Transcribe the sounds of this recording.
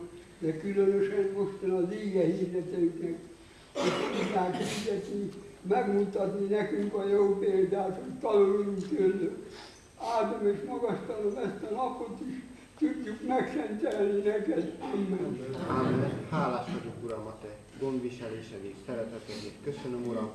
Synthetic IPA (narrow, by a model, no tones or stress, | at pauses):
d̪ɛkylønøʃɛnmoʃt̪enɑliːɡɛhiːrɛt̪ɛk̪ɛ | ok̪out̪aːt̪ɛd̪ɛt̪nimɛɡmut̪ɑt̪ninɛkyŋkɒoːmpeːld̪aːt̪hott̪ɒnulunt̪ølːø | aːd̪omeːʃmɒɡɒst̪ɒlomɛst̪ɒnɒpot̪iʃ | t̪uɟːykmɛksɛnt̪ɛlninɛkɛd̪ɛmːɛnaːmːɛnhaːlaːʃʋodokuɾɒmɒt̪ɛ | ɡo̞nd̪ʋiʃɛleːʃɛniksɛɾɛt̪ɛt̪ɛneːkøsønømuɾɒm